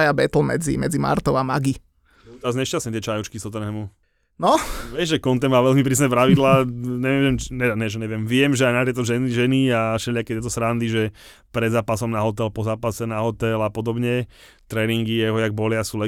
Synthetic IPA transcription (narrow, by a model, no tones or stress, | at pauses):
ajabɛt̪l̩mɛ̰d͡zḭmɛ̰d͡zima̰ɾt̪ɔʊama̰ɡi | t̪ɛɾazɲɛʃcast̪ɲɛt̪ɪɛt͡ʃajut͡ʃkist̪ɔt̪ɛnɛːmu | nɔʋɪɛʒʒɛkɔnt̪ɛmmaːʋɛlmip̬ɾiːs̬nɛp̬ɾaʋid̪laːɲɛʋɪɛmɛɲɛʒɛɲɛʋɪɛmʋɪɛmʒɛajnat̪jɛjt̪ɔʒɛniʒɛniaʃɛʎakɛt̪jɛt̪̬ɔsɾand̪iʒɛ | pɾɛd̪zaːpasɔmnaɦɔt̪ɛlpɔzaːpasɛnaɦɔt̪ɛlapɔd̪ɔbɲɛ | t̪ɾɛːniŋɡijɛɦɔjaɡ̚bɔlɪasuːlɛ